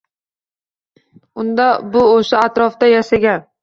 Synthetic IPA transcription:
ʊnd̪abʊoʃaːt̪ɾɒfd̪ajaʃaɡʲan

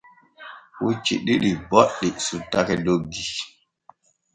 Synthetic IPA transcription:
wut͡ʃḭɗiɗibɔɗːisutːakɛloɡːi

